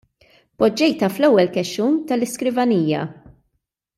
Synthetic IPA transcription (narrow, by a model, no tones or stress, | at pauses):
pɔd͡ʒːɛjt̪ɐflɛwːɛlkɛʃuːnt̪ɐlɪskɾɪvɐniːjɐ̰